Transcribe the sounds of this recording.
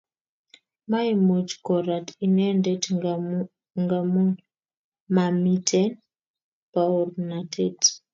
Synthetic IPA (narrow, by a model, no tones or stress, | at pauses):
maimut͡ʃkɔɾatinɛndɛtʰ | ŋɡamun | mamitʰʼɛn | paɔrnatʰet